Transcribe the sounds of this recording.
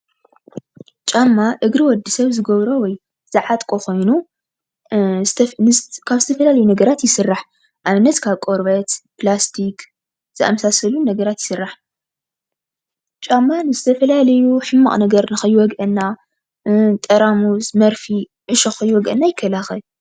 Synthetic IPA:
t͡ʃʼamːaʔɨɡɾiwɔd̪ːisɐβzɨɡɐβɾowɔj | z̥ɨʕat̪ʼkʼoko̞jnu | nkʰaβzɨt̪ʰɐfɐlalɐjunɐɡɐɾat̪jɪsɨrːaħ | ʔaβɨnːɐt̪kʰaβkʼoɾβɐt̪plast̪ʰik | z̥ɨʔa̰mɐsasɐlunɐɡɐɾat̪jɪsɨrːaħ | t͡ʃʼamːanɨzɨt̪ʰɐfɐlalɐjuħɨmːa̰χʼnɐɡɐɾnɨxɐjwɔɡʔɐnːa | t̪ʼɐɾamusmɐɾfi | ʕɨʃoxɐjwɔɡʔɐ̰nːajɪkʰːɐlaxɐl

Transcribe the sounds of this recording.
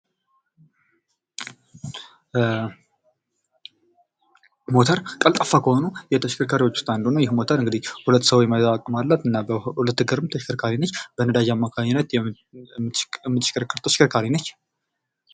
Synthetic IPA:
mo̞t̪ʰəɾkʼəlt̪ʼəfːakʰəho̞nujɛt̪ʰəʃɪ̥kʰəɾkʰaɾiwot͡ʃːu̥st̪ʼand̪unəjɪhmo̞t̪ʰəɾɨŋɡɨd̪ihhulət̪ːsəwjmət̪ʼakʼːəmalːat̪ɨnːabəhulət̪ːɨɡəɾɨmt̪ʰəʃkəɾkʰaɾinət͡ʃːbənəd̪aʒamːakʰaɲːɪnːət̪ | mɨt̪ɨʃkʰəɾkʰːɨɾt̪ʰəʃɪ̥kʰəɾkʰaɾinət͡ʃː

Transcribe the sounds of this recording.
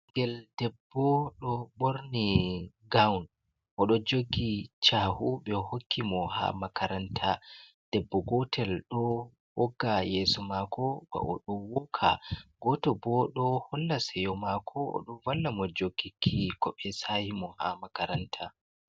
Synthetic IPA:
ŋɡɛldɛbːɔɗɔɓoɾni | ɡawn | ʔɔɗɔd͡ʒoɡit͡ʃaːhuɓɛhokʰːimɔha̰makaɾantʰa | d̥ɛbːɔɡɔtʰɛlɗɔ | wɔɡːajɛsɔmakʰɔba̰ʔɔ̰ɗɔwɔkʰa̰ɡɔtɔbɔɗɔhɔlːasɛjɔmakʰɔɔ̰ɗɔwalːamɔd͡ʒoɡːikʰikɔɓɛsahimɔha̰makaɾantʰa

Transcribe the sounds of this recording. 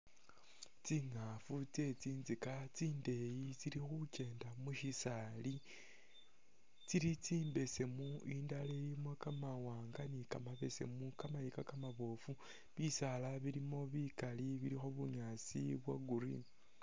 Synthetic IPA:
t͡siŋafut͡se̞t͡siːnzikat͡siːnde̞jit͡siɾixuce̞ːndamuʃisali | t͡siɾit͡siːmbe̞se̞muiːndalejimwakamawaːŋɡanikamaβe̞se̞̰mukamajikakamaβo̞fu | βisalaβilimo̞βikaliβiɾixo̞βuɲaːsiβwaɡuɾḭn

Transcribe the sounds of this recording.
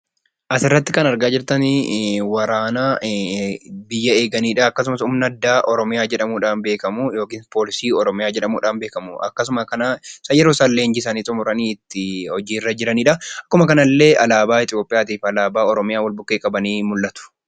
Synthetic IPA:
ʔɐsɪrːɐt̪ːɪkɐnɐɾɡaːd͡ʒɪɾt̪ɐnwɐɾaːnaː | bɪjːɐeːɡɐniːᶑɐɐkːɐs̬ʊmɐsʊmnɐd̪ːaːʔɔɾɔmɪjaːd͡ʒɛᶑɐmuːᶑaːnbe̞ːkɐmuːjo̞ːkiːnpo̞ːlɪsiːɔɾɔmɪjaːd͡ʒɛᶑɐmuːᶑaːnbe̞ːkɐmuʔɐ̰kːɐs̬ʊmɐkɐnasɐjɛɾosɐlːeːnd͡ʒɪs̬ɐniːt̪ʼʊmʊɾɐniːɪt̪ːɪhɔd͡ʒiːɪrːɐd͡ʒɪɾɐniːᶑɐɐkːʊmɐkɐnɐlːe̞ːʔɐlaːbaːɪt̪ʼɪjo̞ːpʼɪjaːt̪iːfɐlaːbaːɔɾɔmɪjaːwɐlbʊkːeːkʼɐbɐniːmʊlːɐt̪ʊ̥

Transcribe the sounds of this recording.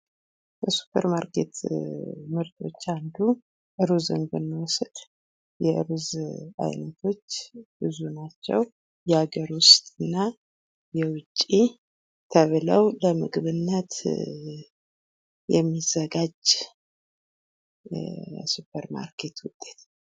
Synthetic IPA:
bəsu̥pʰːəɾmaɾke̞̰t̪ | mɨɾt̪ʰo̞̰t͡ʃːand̪u | ʔɨɾuzɨ̰nɡɨnːəwɔsɨd̪̥ | jɛʔɨɾuza̰jnət̪ʰo̞t͡ʃːb̥ɨzunat͡ʃːɛ̰w | jɛaɡəɾwʊst̪ʼɨnːa | jɛwʊt͡ʃʼːi | t̪ʰəβləwləmɨɡɨβɨnːət̪ | jɛ̰mːizəɡad͡ʒ | supʰəɾma̰ɾkʰe̞t̪wʊt̪ʼːe̞t̪

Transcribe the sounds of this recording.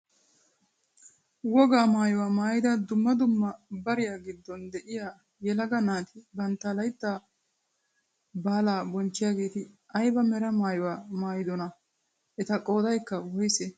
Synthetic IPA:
wɔɡaːmaːjɔwaːmaːjɪd̪ɐd̪ʊmːɐd̪ʊmːɐbɐɾɪjaːɡɪd̪ːɔnd̪ɛʔɪjaː | jɛlɐɡɐnaːt̪ɪbɐnt̪ːɐlɐjt̪ːaː | baːlaːbɔnt͡ʃːɪjaːɡeːt̪ɪ | ɐjbɐmɛɾɐmaːjɔwaːmaːjɪd̪ɔnɐ | ʔɛt̪ɐkʼo̞ːd̪ɐjkːɐwɔjsɛ

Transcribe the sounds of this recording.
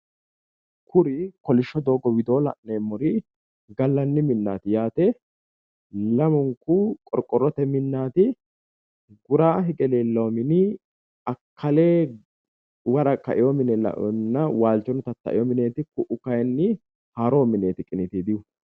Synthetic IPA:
kʰʊɾɪkɔlɪʃːɔd̪o̞ːɡɔwɪd̪o̞ːlɐ̰ʔneːmːɔɾɪ | ɡɐlːɐnːɪmɪnːa̰ːt̪ɪjaːt̪ɛ | lɐmʊŋkukʼɔɾkʼːɔɾːɔt̪ɛmɪnːaːt̪ɪ | ɡʊɾaːɦɛɡɛleːlːoːmɪnɪ | ɐkʰːɐleː | wɐɾɐkɐ̰ʔɪjɔmɪnɛlɐ̰ʔɔnːɐwaːlt͡ʃːɔnʊt̪ɐt̪ːɐ̰ʔɪ̰jɔmɪneːt̪ɪkʊʔʊkɐjnːɪ | haːɾo̞ːmɪneːt̪ɪkʼɪnɪt̪id̪ɪjʊ

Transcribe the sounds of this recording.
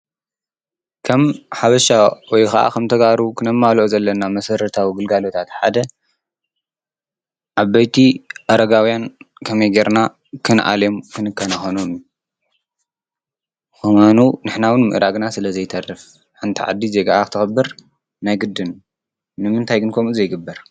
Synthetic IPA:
kʰɐmħaβɐʃawɔjkɐʔa̰kʰɐmt̪ʰɐɡaɾukʰɨnɐmːalʔozɐlːɐnamɐsɐɾɐt̪ʰawiɡɨlɡalot̪ʰat̪ħad̪ɐ | ʕaβɐjt̪ʰiʔɐɾɐɡawijankʰɐmɐjɡeɾna | kʰɨnʔa̰lomkʰɨnɨkʰːɐnɐxonomu | xɨmanunɨħnawɨnmɨ̰ʔɾaɡnasɨlɐzɐjt̪ʰɐrɨf | ħɨnt̪ʰiʕa̰d̪ːizeɡaʔakɨ̥t̪ʰɨxbːɨɾ | najɡɨd̪ːɨn | nɨmɨnt̪ʰajɡɨnkʰomuzɐjɡɨbːɐɾ

